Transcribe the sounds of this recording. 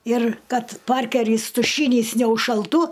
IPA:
ɪr kɐt ˈpɐrʲkʲɛrʲiːs tʊˈʃʲiːnʲiːs nʲɛʊʃʃɐlˠˈtuː

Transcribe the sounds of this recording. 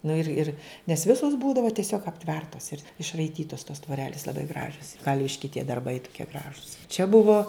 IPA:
ˈnʊ ɪr ˈɪr nʲɛs ˈʋʲɪsoːs ˈbuːdɐʋɐ tʲiɛˈsʲoːk ɐpʲˈtʲʋʲɛrtɐs ɪr ɪʃrɐɪˈtʲiːtɐs toːs tʋoːˈrʲæːlʲɪs lˠɐˈbɐɪ ˈɡrɑːʒʲoːs ˈkɐlʲʋʲɪʃʲkʲɪ tʲiɛ dɐrˈbɐɪ tʊˈkʲiɛ ˈɡrɑːʒʊs t͡ʃʲɛ ˈbʊʋoː

